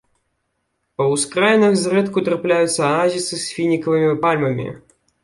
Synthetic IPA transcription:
ɐwskɾajnɐxzɾɛt̪kut̪ɾaplʲajʊt̪sːɐɐnazʲit̪sɨsʲfʲinʲikɐvɨmʲipalʲmɐmʲḭ

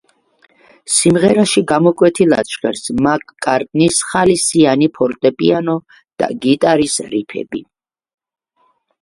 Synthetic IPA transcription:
simʁɛɾaʃiɡamɔkʼwɛt̪ʰila̰t͡ʃχɛɾsmakʼkʼːaɾt̪ʼnisχalisianipʰɔɾt̪ʼɛpʼḭanɔ | d̪̥a̰ɡit̪ʼaɾisɾipʰɛ̰bḭ

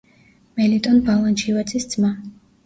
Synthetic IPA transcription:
mɛlit̪ʼɔnbalˠant͡ʃʰivat̪sʰisd̪z̥ma

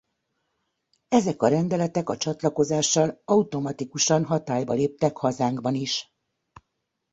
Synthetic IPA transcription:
ɛzɛkɒɾɛnd̪ɛlɛt̪ɛkɒt͡ʃɒt̪lɒko̞zaːʃːɒlɒut̪o̞mɒt̪ikuʃɒnɦɒt̪aːjbɒleːp̚t̪ɛkhɒzaːŋɡbɒniʃ

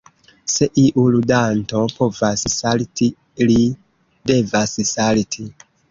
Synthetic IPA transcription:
se̞ʔiʔuludanto̞po̞vassalti | li | de̞vassaltʰi

